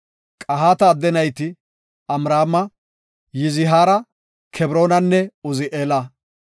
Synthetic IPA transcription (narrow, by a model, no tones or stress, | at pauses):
kʼɐɦaːt̪ɐːd̪ːɛnɐjt̪ɪ | ɐmɾaːmɐ | jɪzɪɦaːɾɐ | kʰɛbɾo̞ːnɐnːɛʊzɪʔeːlɐ